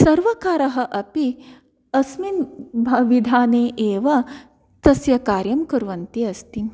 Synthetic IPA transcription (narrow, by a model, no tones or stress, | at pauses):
sɐɾʋɐkaːɾɐɦɐʔɐpi | ɐsminbʱɐʋid̪ʱaːneːʔeːʋɐ | t̪ɐsjɐkaːɾjɐmkɐɾʋɐnt̪iɐst̪i